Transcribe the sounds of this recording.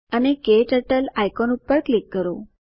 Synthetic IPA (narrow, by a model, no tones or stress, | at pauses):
ənekeʈəʈəlajkɔnupːəɾklikːəɾo